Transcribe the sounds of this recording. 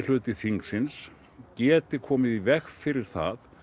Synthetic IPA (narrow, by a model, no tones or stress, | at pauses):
l̥ʏːt̪ɪθiŋksɪns | cɛːt̪ɪkʰɔːmɪðivɛxfɪɾɪɾ̥θa̰ð